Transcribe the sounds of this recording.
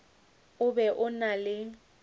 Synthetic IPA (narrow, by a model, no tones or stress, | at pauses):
ʊbɛʔʊnalɪ